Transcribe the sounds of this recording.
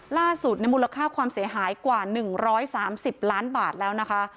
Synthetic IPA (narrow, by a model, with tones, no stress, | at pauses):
laː˥˩su˨˩t̪̚na˧jmuː˧la˧kʰaː˥˩kʰwaː˧msi˩˦ɐɦaː˩˦jkwaː˨˩nɯ˨˩ŋɾɔː˦˥jsaː˩˦msi˨˩p̚laː˦˥nbaː˨˩t̪̚lɛː˦˥wna˦˥kʰa˦˥ʔ